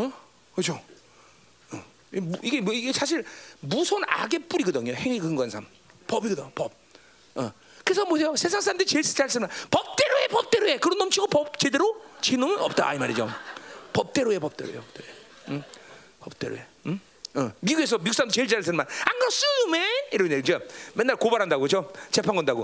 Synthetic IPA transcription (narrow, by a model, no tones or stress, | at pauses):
ʌ | kɯt͡ɕʰo | ʌ | muiɡemiɡesʰaɕʰiɭmusʰona̰ɡe̞p͈uɾiɡʌd̪ɯɲoheŋikɯŋɡwansʰam | pʌbiɡʌdopʌp̚ | ʌ | kɯɾes̬ʰʌmosʰe̞josʰe̞s̬ʰaŋs̬͈ʰaɾamnd̪ɯɾit͡ɕeɭst͡ɕaɭs͈ɯnmanpʌp̚t͈e̞ɾoepʌp̚t͈e̞ɾoe̞kɯɾʌnʌmt͡ɕʰiɡopʌb̚t͡ɕede̞ɾot͡ɕʰinomɯnʌp̚t͈a̰ʔa̰imaɾid͡ʑo̰pʌp̚t͈e̞ɾoe̞pʌp̚t͈e̞ɾo̰jo̰pʌp̚t͈eɾoe | pʌp̚t͈eɾo̰e | ʌmiɡues̬ʰʌmiuks͈amdet͡ɕeɭt͡ɕaɭs̬͈ɯnmanaŋɡɯɾʌs͈ɯmeiɾʌɲed͡ʑemenːaɭkobaɾɦandaɡot͡ɕot͡ɕe̞pʰaŋɡʌndaɡo